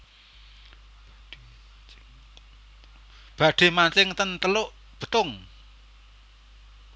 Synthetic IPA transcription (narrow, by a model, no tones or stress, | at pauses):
b̥ä̤ɖ̥e̤mant͡ʃɪŋt̪ənt̪əlʊʔ | b̥ə̤t̪ʊŋ